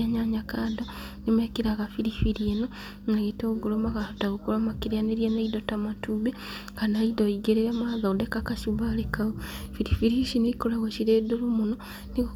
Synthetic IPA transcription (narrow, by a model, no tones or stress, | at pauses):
aɲaɲakaːdo | nimekiɾaɣafiɾifiɾieno | naɣetoɡulomakaotaɣukulomakiɾaneɾjenaidotamatube | kanaidoiɡeɾeɾamaːðadekakaʃuβalekaofiɾifiɾiʃiniikolaɣoʃiɾeːdulumuno | ni